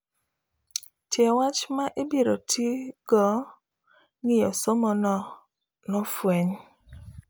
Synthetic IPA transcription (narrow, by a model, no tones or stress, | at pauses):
tjɛwat͡ʃmaʔebiɾotʰiɡ̥ɔ | ŋɪjɔsomɔnɔ | nɔfweɲ